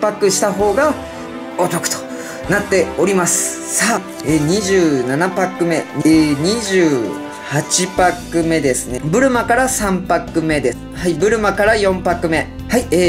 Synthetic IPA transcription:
pakɯ̟ɕi̥t̪aɦo̞ːɡa | ot̪o̞kɯ̟̥t̪o̥ | nat̪ːe̞o̞ɾʲimasɨ̥ | saː | eɲ̟iʑɨːnanapakɯ̟me̞ɲɲ̟iʑɨː | hat͡ɕipakɯ̟me̞d̪e̞sɨne̞bɯ̟ɾɯ̟makaɾasãmpakɯ̟me̞d̪e̞s | haibɯ̟ɾɯ̟makaɾajõ̞mpakɯ̟me̞ | haieː

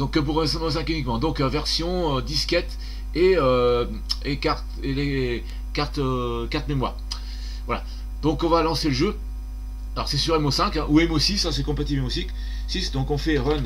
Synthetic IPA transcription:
d̪ɔ̃kːəp̬uʁɛmsɛmos̬ɛ̃kynikmɑ̃d̪ɔ̃køvɛʁsjɔ̃ød̪iskʲɛt̪ | eø | ekaʁt̪ele | kaʁt̪økaʁt̪memwa̰ʁ | vwala̰ | d̪̥ɔ̃kɔ̃valɑ̃seləʒø | alɔ̰ʁsɛsyʁɛmosɛ̃kɛ̃ʔuɛmosisasɛkɔ̃pat̪iɛmosik | sisd̪ɔ̃kɔ̃fɛʁœn

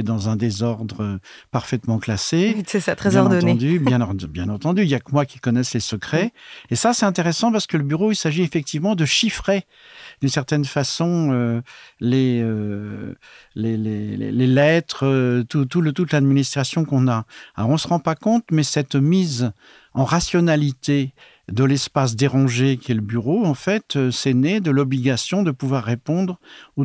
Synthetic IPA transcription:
d̪ɑ̃zɛ̃d̪ezɔʁd̪ʁə | paʁfɛt̪mɑ̃klasesɛsat̪χɛɔʁd̪ɔnẽd̪ybjɛ̃bjɛ̃nɑ̃t̪ɑ̃d̪yiljakmwakʲi̥kɔnɛslesəkχɛesasɛt̪ɛ̃t̪eʁɛsɑ̃paʁsə̥kələbyʁoilsaʒiefɛk̚t̪ivmɑ̃d̪əʃifχe | d̪ynsɛʁt̪ɛnfasɔ̃øleø | leleḛlelɛt̪χət̪ut̪ulət̪ut̪lad̪minist̪χasjɔ̃kɔ̃naalɔʁɔ̃səʁɑ̃pakɔ̃t̪mɛsɛt̪miz | ɑ̃ʁasjɔnalit̪e | d̪əlɛspas̬d̪eʁɑ̃ʒekʲiɛləbyʁoɑ̃fɛt̪øsɛnɛd̪əlɔbliɡasjɔ̃d̪əpuvwaʁːepɔ̃d̪ʁu

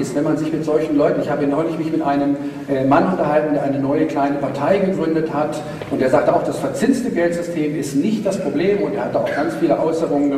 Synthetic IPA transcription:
ɪstv̥ɛnmanzɪçmɪtz̥ɔlçn̩lɔʏtn̩ɪçhaːbəinɔʏlɪçmɪçmɪtʔaɪnəm | manʔʊntɐɦaltndeːɐʔaɪnənɔʏəkl̥aɪnəpʰaɐtʰaɪɡəɡʁʏndəthat | ʔʊntdeɐzaːk̚təaʊxd̥asfɛɐt͡sɪnstəɡɛltz̥ʏstʰeːmɪstnɪçt̚d̥aspʁ̥obleːmʊntdeːɐhatd̥aʊxɡ̥ant͡sfiːləʔɔʏsəʁʊŋənə

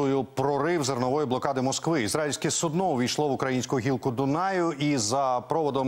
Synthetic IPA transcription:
ʊjʊpɾɔɾɪwzɐrnɔʋɔjiblˠɔkɑd̪ɪmɔskʋɪizɾailʲsʲkɛsʊd̪nɔʋʲijʃlˠɔʋʊkɾɐjinʲsʲkʊjʊɦʲilˠkʊd̪ʊnɑjʊizɐpɾɔʋɔd̪ɔm

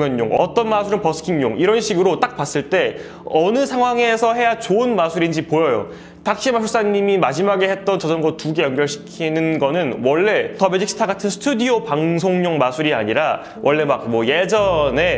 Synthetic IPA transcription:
jʌɲɲo̰ŋʌ̰t͈ʌnmasʰuɾɯnpʌsʰɯ̥kʰiŋɲoŋiɾʌnɕʰiɡɯɾot͈ak̚pas͈ɯɭt͈e̞ | ʌnɯsʰaŋɦwaŋe̞sʰʌɦhe̞jat͡ɕoɯnmasʰuɾind͡ʑipojʌjo̰ | tak̚ɕ͈imasʰuɭs͈aɲːimimad͡ʑimaɡe̞he̞t̚t͈ʌnt͡ɕʌd͡ʑʌnɡʌtuɡe̞jʌnɡjʌɭɕʰi̥kʰinɯnɡʌnɯnwʌɭːe̞tʌmed͡ʑik̚sʰtʰaɡatʰɯnsʰɯ̥tʰudiopaŋs̬ʰoŋɲoŋmasʰuɾiaɲiɾa | wʔʌɭːe̞mak̚mwʌje̞d͡ʑʌne̞

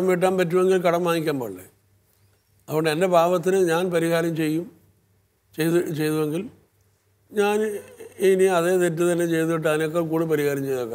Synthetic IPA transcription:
ɐmiʈ̬ːaːnpɐtːuʋe̞ŋɡilkɐɽɐmʋaːŋikʲːaːmboːɭːḛ | ɐðkːoɳɖɨende̞bʱaːʋɐt̪̬ːinɨɲaːnpɐɾiɣaːɾɐmt͡ɕe̞jːum | t͡ɕejt͡ɕejt̪uʋeŋɡil | ɲaːniniɐðet̪et̬ːɨt̪ɐnːe̞t͡ɕe̞jt̪uiʈ̬ːɐðinok̬ːekuːɽɨpɐɾiɣaːɾɐmt͡ɕe̞jðokːaː

